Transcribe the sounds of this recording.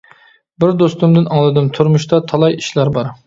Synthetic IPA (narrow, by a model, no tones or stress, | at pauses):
bɪɾd̪ost̪umd̪ɪnɑŋlˠɨd̪ɨmt̪ʰuɾmuʃt̪ɑt̪ʰɑlˠɑjiʃlæɾbɑɾ